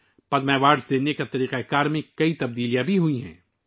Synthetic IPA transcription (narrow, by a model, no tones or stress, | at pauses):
pɐd̪mɛːʋaːɖsd̪eːnekat̪ɐɾiːqɛkaːɾmẽkɐit̪ɐb̚d̪iːlijãbʱiɦuiɦɛ̰̃ː